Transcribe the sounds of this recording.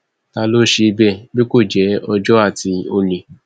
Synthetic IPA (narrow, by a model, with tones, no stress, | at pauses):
ta˧lo˦˨ʃe˧i˧bɛ˦˨bi˦ko˦˨d͡ʒɛ˨˦ɔ˧d͡ʒɔ˦a˦˨ti˧o˧le˨